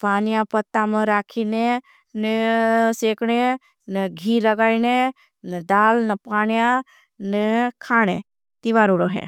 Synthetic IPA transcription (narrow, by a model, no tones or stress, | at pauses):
paːnijãpɐt̪ːamẽɾaːkʰine | neseːkɽ̃e | nəɡʱiːlɐɡaːine | nɐd̪aːlnɐpaːnjã | nekʰaːɽ̃ḛ | t̪iʋaɾoɽoɦḛː